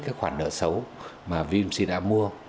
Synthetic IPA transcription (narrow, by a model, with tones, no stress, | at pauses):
kaː˨˦jxwaː˧˩nɗə̰ː˧˨sə˨˦wmaː˨˩vi˧msi˧ɗa̰ː˧˥mu˧ə